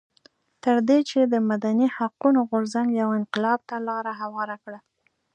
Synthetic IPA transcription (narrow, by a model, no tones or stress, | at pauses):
t̪əɾd̪et͡ʃed̪əmad̪anihaqunoɣʊɾzaŋɡjawɪnqɪlɑb̚t̪alɑɾaɦawɑɾakɽa